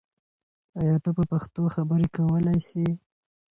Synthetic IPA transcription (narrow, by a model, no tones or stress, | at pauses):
ajɑt̪apəpaxt̪oxabəɾekawəlajsi